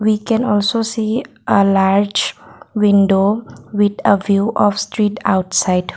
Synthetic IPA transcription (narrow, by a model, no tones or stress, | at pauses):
ʋiːkɛ̃nɔːlsosiː | ʔəlaːɾd͡ʒʋɪ̃nɖoʋɪd̪əʋjuːʔɔfsʈɾiːʈa̰ʊʈsaɪɖ